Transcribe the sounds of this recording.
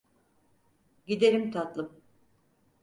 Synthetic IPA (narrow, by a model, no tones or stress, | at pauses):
ɟid̪e̞ɾimt̪ʰat̪lˠɯm